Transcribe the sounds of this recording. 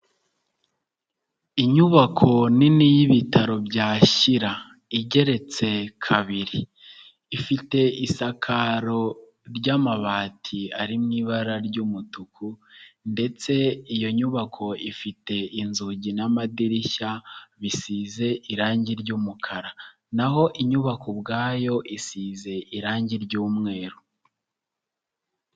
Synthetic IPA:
iɲuβakʰo̞ninijiβitʰaɾo̞bɟaːʃiɾa | iɟe̞ɾe̞t͡se̞kʰaβiɾiː | fite̞isakʰaɾo̞ | ɾɟaːmaβaːtʰiaɾimŋiβaɾaɾɟuːmutukʰunde̞t͡se̞ijo̞ɲuβakʰo̞ifite̞inzuɟinamadiɾiʃaβisiːze̞ʔiɾaːɲɟiɾɟuːmukʰaɾa | naɦo̞ʔiɲuβakʰobɡaːjo̞ʔisiːze̞ʔiɾaːɲɟiɾɟuːmŋe̞ːɾu

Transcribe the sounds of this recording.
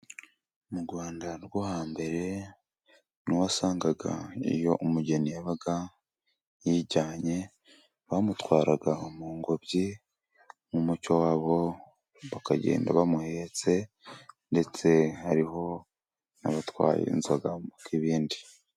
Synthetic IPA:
muɾɡwaːndaɾɡohaːmbe̞ɾe̞ | nuwasaːŋɡaɡa̰ḭjo̞ʔumuɟe̞nijaβaɡa | jiɟaːɲe̞ | βamutwaːɾaɡaomuːŋɡobɟi | mumut͡ʃowaːβo̞ | βakaɟḛːnda̰βamuhet͡se̞ | nde̞t͡se̞haɾiho̞ | naβatwa̰ːjḛnzaɡamukiβiːndi

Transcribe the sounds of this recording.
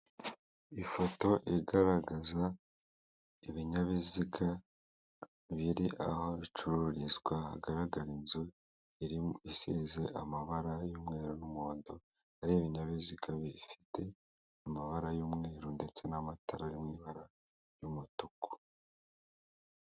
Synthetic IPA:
ifo̞to̞ʔiɡaɾaɡaza | iβiɲaβizika | βiɾiʔaho̞βit͡ʃuɾuɾizɡwaha̰ɡaɾaɡaɾinzu | iɾiisize̞ʔamaβaɾajuːmŋe̞ːɾunumoːndo | aɾieβiɲaβizikʰaβifi̥te̞ | amaβaɾajuːmŋeːɾunde̞t͡se̞namatʰaɾaɾimŋiβaɾa | jumutuko̥

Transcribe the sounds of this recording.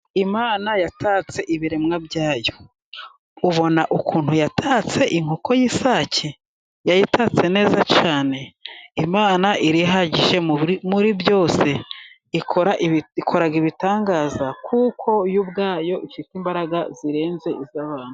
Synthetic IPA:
imaːnajatat͡se̞ʔiβiɾe̞mŋabɟaːjo̞ | uβo̞naʔukʰuːnhujatʰaːt͡se̞ʔiŋhokʰo̞jisaːcʰe | jajitʰat͡se̞ne̞ːzat͡ʃaːne̞imaːnaʔiɾiɦaɟiʒe̞muɾibjo̞ːse̞ | ikʰoɾaʔikʰo̞ɾaɡiβitaːŋɡaːzakʰukʰo̞jubɡaːjo̞ʔiʃitiːmbaɾaɡaziɾe̞ːnze̞ʔizaβaːn̥hu

